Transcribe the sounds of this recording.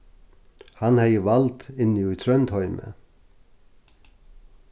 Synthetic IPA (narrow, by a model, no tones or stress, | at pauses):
hɑnhæɪəʋɑlt̪ɪnjuːiːt̪ʰɾœnt̪hɔʏmʔə̰